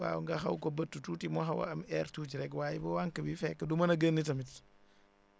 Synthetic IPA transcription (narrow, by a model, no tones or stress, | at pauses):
a̰ːŋɡaxɐwkobɐtːututimoɦɐwa̰ɐmɛːɾtuːt͡ʃiɾɛkwaːjibɐwaŋkɐbifɛkːɐdumɐnɐɡənːitɐmit